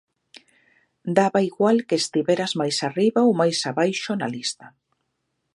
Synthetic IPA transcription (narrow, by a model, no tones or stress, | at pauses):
d̪aβaiɣwalkeːst̪iβeɾazmajsariβaowmajsaβajʃona̰list̪a